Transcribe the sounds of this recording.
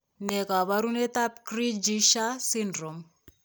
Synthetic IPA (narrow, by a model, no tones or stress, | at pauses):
nekaβaɾunet̪ap̚kɾid͡ʒiʃasindɾom